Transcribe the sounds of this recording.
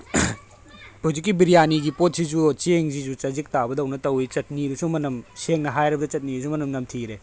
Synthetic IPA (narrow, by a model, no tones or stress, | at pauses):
tʰozik̬ːibiɾijaniɡipot̚sizut͡ʃeŋzizut͡ʃɐzik̚tabɐdɐwnɐtɐwit͡ʃɐt̚niɾusumɐnɐmseŋnɐɦajɾɐbɐdɐt͡ʃɐt̚niɾusumɐnɐmnɐmtʰiɾe